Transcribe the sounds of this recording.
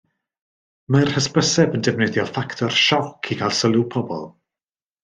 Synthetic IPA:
marhəspəsɛbəndɛvnɨðjɔfaktʰɔrʃɔkʰikʰalˠsəlˠupʰɔbɔ̰lˠ

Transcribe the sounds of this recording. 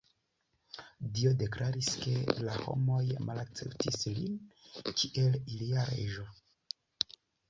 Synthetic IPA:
dio̞de̞klaɾiske̞̰laho̞̰mo̞jmalak̚t͡se̞̰ptislḭnkʰiʔe̞liliaɾe̞̰ʒo̞

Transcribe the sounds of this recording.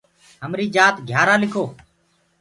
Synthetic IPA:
ɦəmɾiːd͡ʒaːt̪ɡʱjaːɾaːlɪkʰoː

